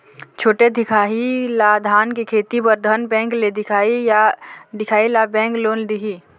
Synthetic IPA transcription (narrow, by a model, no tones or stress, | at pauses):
t͡ʃʰoːʈed̪ʱɪkʰaːɦilad̪ʱaːnkekʰeːt̪ipəɾd̪ʱənbɛ̃ːŋkled̪ɪkʰaːijad̪ɪkʰaːilabɛ̃ːŋkloːnd̪iɦiː